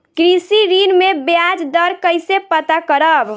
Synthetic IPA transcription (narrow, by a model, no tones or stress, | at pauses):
kɾisiɾinmebjad͡ʒd̪əɾkəjsepət̪akəɾəb